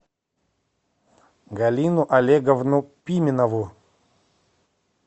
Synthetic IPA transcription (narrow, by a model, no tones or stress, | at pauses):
ɡɐlʲinʊʔɐlʲeɡɐvnupʲimʲɪnɐvʊ